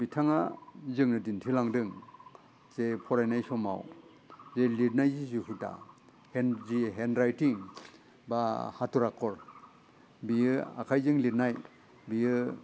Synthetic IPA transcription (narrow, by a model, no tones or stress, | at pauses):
bitʰaŋazɯŋnɯdintʰilaŋdɯŋ | z̥epʰɔɾajnajsɔma̰w | zelit̚najzizuɦuta̰ | henziɦenɾajtiŋ | bahatuɾakʰːɔɾ | bijɯa̰kʰajzɯŋlit̚naj | bijɯ